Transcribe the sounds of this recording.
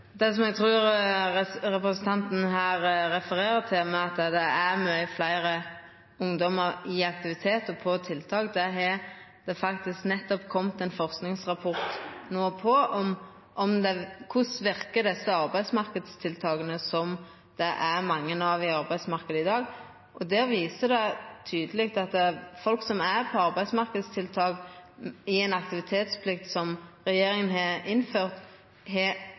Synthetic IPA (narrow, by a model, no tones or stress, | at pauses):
d̪ɛsɔmɛɡ̚t̪ʰɾʉːɾ | ɾɛpɾəsnt̪ʰɑnt̪n̩ɦæːɾɾɛfəɾeːɾət̪ʰɪlmɛɑt̪d̪ɛæmœflæɪɾə | ʊŋd̪ɔməɾɪɑk̚t̪ɪʋɪt̪ʰeːt̪ɔpʰɔt̪ʰɪlt̪ʰɑːkd̪ɛɦɛ | d̪̥ɛfɑkt̪ɪsknɛt̪ːɔpkʰɔmt̪ɛnfɔʁsknɪŋsʁɑpʰɔɾt̪noːpʰɔɔm | ʔɔmd̪ɛkʰʊsʋɪɾkəd̪ɛsːəɑɾbæɪd̪smɑɾkəd̪st̪ʰɪlt̪ʰɑːɡənəsɔm | d̪̥ɛʔæɾmɑŋːənɑʋɪɑɾbæɪd̪smɑʁkəd̪əɪd̪ɑːɡ | ʔɔd̪ɛːʋiːsəd̪ɛt̪ʰyːd̪əlɪɡt̪ɑt̪ɛfɔlksɔmæɾpʰɔɑɾbæɪd̪smɑɾkəd̪st̪ʰɪlt̪ʰɑːɡ | ɪɛnɑk̚t̪ɪʋɪt̪ʰeːt̪spʰlɪk̚t̪sɔmɾɛjeːɾɪŋənɦɑɾɪnːføːɾt̪ | ɦɛ